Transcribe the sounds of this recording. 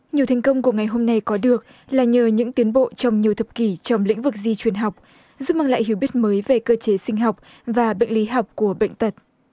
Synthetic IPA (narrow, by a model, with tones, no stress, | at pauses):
ɲi˨əwt̪ʰɛ˨˩jŋ̟kə˧wŋ͡mku˧˩əŋa˨˩jɦo˧mna˧jkɔ˨˦ɗɨ˨˩ək̚ | laː˨˩ɲəː˨˩ɲɨ̰˧˥ŋt̪i˨˦ənɓo̰˧˨t͡ɕɔ˧wŋ͡mɲi˨˩əwt̪ʰə˨˩p̚ki˧˩t͡ɕɔ˧wŋ͡mlḭ˧˥ŋ̟vɨ˨˩k̚zi˧t͡ɕwi˨˩ənɦa˨˩wk͡p̚ | zu˦˥p̚maː˧ŋla̰ː˧˨jhi˨˩əwɓi˦˥ət̚məː˨˦jve˨˩kəː˧t͡ɕe˨˦sï˧ŋ̟ɦa˨˩wk͡p̚ | vaː˨˩ɓḛ˧˨jŋ̟li˨˦ɦa˨˩wk͡p̚ku˧˩əɓḛ˧˨jŋ̟t̪ə˨˩t̚